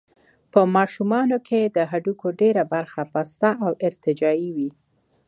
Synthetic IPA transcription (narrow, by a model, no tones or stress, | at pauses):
pəmɑʃumɑnokʰed̪əɦaɖukʰoɖeɾabaɾxapast̪aʔawɪɾt̪ɪd͡ʒɑiwi